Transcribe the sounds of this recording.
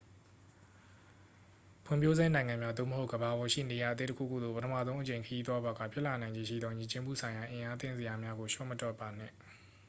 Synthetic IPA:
pʰʊ̃˦˨pʰjo˦ze˦nã˨ɪ̃ŋã˨mja˦d̪o̰˦˨məɦo˦ʊɡəba˨bɔ˨ʃḭ˦˨ne˨ja˨ət̪̬e˦tə˦kʰṵ˦˨kʰṵ˦˨d̪ðo̰˦˨pətʰəmä̰˦˨zo˦ʊ̃ʔət͡ɕẽ˨ɪ̃kʰəji˦t̪wa˦bɔ˨ɡa̰˦˨pʰjɪ˦ʔla˨nã˨ɪ̃ɲd͡ʑe˦˨ʃḭ˦˨d̪ðɔ˦ɲi˨t͡ɕɪ̃˦mṵ˦˨sʰã˨ɪ̃ja˨ʔɪ̃˨ʔa˦t̪ɪ̰̃˦˨nzə˨ja˨mja˦ɡo˨ʃɔ̰˦˨ʔmətɔ˦˨pːa˨n̥ɪ̰̃˦˨

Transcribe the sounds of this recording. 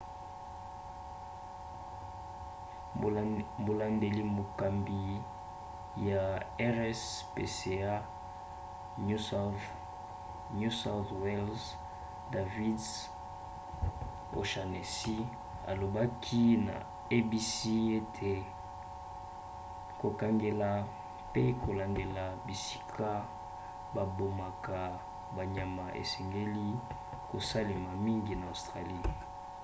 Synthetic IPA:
mo˨la˨nde˨li˦mo˨ka˨mbi˨ | ja˨ɛ˦ʁɛ˦spe˨se˨a˦ | nu˦s | nu˦sa˦θwe˦lz | da˨vi˦ds | o˨ʃa˨ne˨si˦ | a̰˨lo˨ba˦kʰi˦na̰˨ | e˦bi˦si˦e˦tʰe˨ | ko˨ka˨ŋɡe˨la˨ | pe˦ko˨la˨ŋɡe˨la˨bi˨si̥˦kʰa˦ | ba˨bo˨ma˨ka˨ | ba˨ɲa˨ma˨ʔḛ˨sɛ˨ŋɡe˦li˦ | ko˨sa˦li˨ma˨mi˦ŋɡi˨na˨o˨stʁa˨li˦˨

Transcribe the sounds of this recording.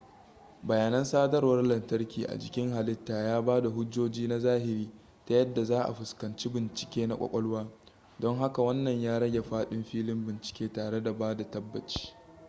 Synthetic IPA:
bɐ˨jaː˨nɐ˦nsaː˦dɐ˦rwɐ˦rlɐ˨ntɐ˦rkʲiː˨ʔa̰˨d͡ʒɪ˨kʲɪ˦ŋɦa˨lɪ˦tːaː˨jaː˦baː˦da˨ɦʊ˦d͡ʒoː˦d͡ʒiː˦na˦zaː˦hɪ˨ɾiː˦ | ta˦jɐ˦dːa˨zaː˦ʔa̰˨ɸʊ˨skɐ˨nt͡ʃi˦bɪ˨nt͡ʃɪ̥˨kʲeː˦na˦kʷɔ̰˦˨kʷʼɔ˦lwaː˦ | dɔ˦ŋɦa˦ka˨wɐ˦nːɐ˨ɲjaː˦ɽɐ˦ɡʲe˨ɸaː˦ɗɪ˦mɸiː˦lɪ˦mbɪ˨nt͡ʃɪ̥˨kʲeː˦taː˨ɽe˦da˨baː˦da˨tɐ˦bːɐ˨t͡ʃi̥ː˦

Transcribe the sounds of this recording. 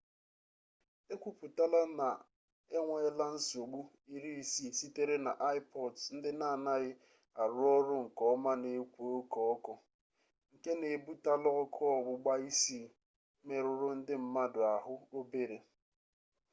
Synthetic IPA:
e˦kʷu˨pu˨ta˦la˦na˨ | e˦ŋʷa˦e˦la˦n̩˦so˨ɡ͡bu˦ | i˦ɾi˦i˦si˦˨si˦te˦ɾe˦na̰˨ʔa˦ɪ˦pɔ˨dn̩˦dɪ˦na˦˨na˦ɣɪ˦ | a˨ɾʊ˦ɔ˦ɾʊ˦ŋ̩˨kɔ˦ma˦ne˨˦kʷo˦kɔ˦ɔ˦kɔ˦ | ŋ̩˨ke˦ne˨bu˦ta˦lɔ˦ɔ˦kʰɔ˦ɔ˨ɡ͡bʊ˦ɡ͡ba˦i˦si˦ | me˨ɾʊ˨ɾʊ˦n̩˦dɪ˦m̩˦ma˦dʊ˨a˨ɦʊ˦o˦be˦ɾe˨

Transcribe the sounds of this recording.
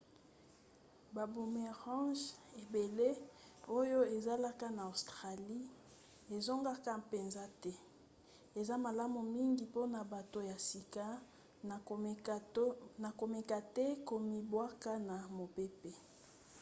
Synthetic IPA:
ba˨bu˨me˨ʁɑ̃˦ʒe˨be˨le˦o˦jo˦e˨za˦la˦ka˦na˨o˨stʁa˨li˦ | e˨zo˦ŋɡa˦ka˦pe˨nza˦tɛ˦ | e˨za˦ma˨la˦mu˨mi˦ŋɡi˨po˦na˨ba˨to˨ja˨si˨ka˦˨ | na˨ko˨me˨ka˨tɛ˦ko˨mi˨bwa˦ka˦na˨mo˨pe˦pe˦

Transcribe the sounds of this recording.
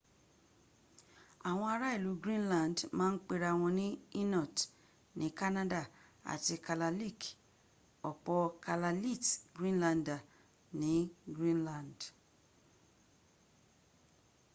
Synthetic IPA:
a˨w̃ɔ̃˧a˧ɾa˦i˦˨lu˨˦ɡɾĩ˦nlã˨n˨dmãː˦n̩˦k͡pe˦ɾa˧˨w̃ɔ̃˧nĩ˦i˦nɔ˦˨t | nĩ˨˦ka˦nã˦da˦˨a̰˨ti˧ka˨la˧li˦˨k | ɔ˨k͡pɔ˧ka˨la˧li˦˨tɡɾĩ˦nla˧nda˨ | nĩ˨˦ɡɾĩ˦nlã˨nd

